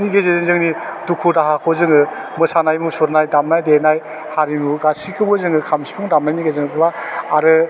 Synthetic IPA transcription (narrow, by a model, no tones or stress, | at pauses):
niɡezezeŋzɯŋnidukʰudaɦakʰɔzɯŋɯ | mɯsanajmusɔɾnajdamnajdenaj | haɾimuɡasikʰɯbɔzɯŋɯkʰamsi̥pʰuŋdamnajniɡezɯŋɯkʰɯbaːɾɯ